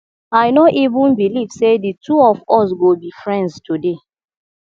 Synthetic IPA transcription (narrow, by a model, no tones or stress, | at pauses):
aɪnoʔivũnbiliv̥seditʰuɔvɔsɡobifɹɛ̃ndstʰude